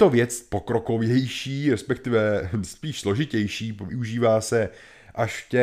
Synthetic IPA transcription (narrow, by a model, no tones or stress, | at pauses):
t̪ovjɛt͡spo̞kɾo̞ko̞vjɛjʃiːɾɛspɛk̚t̪ɪvɛspiːʃslo̞ʒɪcɛjʃiːvɪuʒiːvaːsɛ | ʔaʃfcɛ